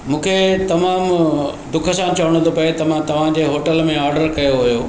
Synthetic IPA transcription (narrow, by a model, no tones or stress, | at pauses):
mũːkʰet̪ɐmaːmd̪ʊkʰə̆sãt͡ɕɐʋəɽ̃õt̪ʰopɐet̪ɐʋ̤ãt̪ɐʋ̤ãd͡ʑeːɦoːʈəlmẽaːɾɖəɾkɐjoɦujoː